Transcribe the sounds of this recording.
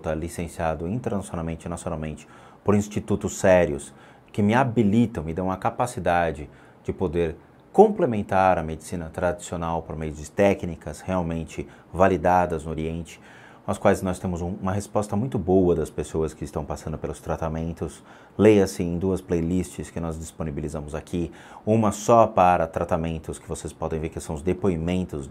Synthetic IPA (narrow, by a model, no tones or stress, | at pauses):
t̪alisẽsiad̪ʊĩnt̪eɾnasionawmẽnt͡ʃɪnasionawmẽnt͡ʃɪ̥ | poɾĩst͡ʃit̪ut̪ʊsːɛɾiʊs | kɪmɪabilit̪ɐ̃w̃ɪd̪ɐ̃w̃ɐkapasid̪ad͡ʒɪ | d͡ʒɪpod̪eɾ | kõmplemẽnt̪aɾɐmed͡ʒisĩnɐt̪ɾad͡ʒi̥sionawpoɾmejʊd͡ʒɪt̪ɛknikɐsheawmẽnt͡ʃɪ | valid̪ad̪ɐznʊoɾiẽnt͡ʃɪ̥ | ɐskwajznɔst̪ẽmʊzũũmɐɦespɔst̪ɐmũj̃t̪ʊbowɐd̪ɐspesowɐskɪɪst̪ɐ̃w̃pasɐ̃nd̪ʊpelʊst̪ɾat̪amẽnt̪ʊs | lejɐsɪẽj̃d̪uɐsplejlist͡ʃɪskɪnɔzd͡ʒisponibilizɐ̃mʊzakʰi | ũmɐsɔpaɾɐt̪ɾat̪amẽnt̪ʊskɪvosespɔd̪ẽj̃veɾkɪsɐ̃w̃ʊzd̪epoimẽnt̪ʊz